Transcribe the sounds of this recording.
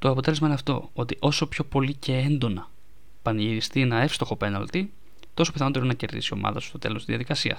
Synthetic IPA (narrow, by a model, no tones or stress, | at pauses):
t̪o̞ɐpot̪e̞lezmɐineɐft̪o̞̰o̞t̪iʔo̞so̞pço̞po̞lice̞end̪o̞nɐ | pɐnʝiɾist̪ienɐe̞fst̪o̞xo̞pe̞nɐ̰lt̪i | t̪o̞so̞piθɐno̞t̪eɾonɐce̞ɾðḭsio̞̰mɐ̰ðɐsu̥st̪o̞t̪e̞̰lo̞st̪izðɐðikɐsiɐ̰s